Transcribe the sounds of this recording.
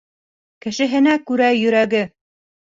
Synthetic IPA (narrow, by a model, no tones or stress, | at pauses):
kɘ̆ʃɘ̆ɦɘ̆nækʉɾæjɵ̆ɾæɡɘ